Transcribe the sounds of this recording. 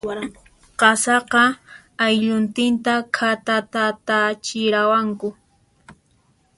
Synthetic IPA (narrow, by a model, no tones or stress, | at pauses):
qɑsɑqɑ | ajʎʊnt̪ɪnt̪akʰat̪at̪at̪at͡ʃɪɾawaŋkʊ